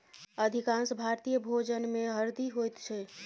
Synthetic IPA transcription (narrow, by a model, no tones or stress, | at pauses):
əd̪ʱikãnsbʱaɾt̪ijəbʱod͡ʒənmeɦəɾd̪iɦojt̪t͡ʃʰɛ